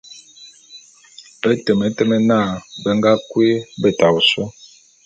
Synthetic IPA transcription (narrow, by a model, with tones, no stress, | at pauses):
ə˦tə˨mə˨˦tə˦mə˦na˦˨bə˦ŋ˦ɡa˦kwe˦bə˨ta˨u˨so˦